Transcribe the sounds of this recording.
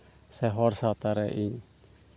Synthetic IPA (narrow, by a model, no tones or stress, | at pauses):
sɛɦɔrsat̪aɾɛʔiɲ